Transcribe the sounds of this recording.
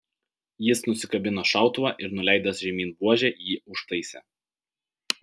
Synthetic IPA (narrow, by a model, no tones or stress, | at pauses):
jɪsnʊsʲɪkɐbʲɪnoːʃɑˑʊt̪ʊʋɑːˑʔɪɾnʊlʲæˑɪd̪ɐsʒʲɛmʲiːnbuɔʒʲɛˑjiːʊʃt̪ɐɪsʲɛ̰ː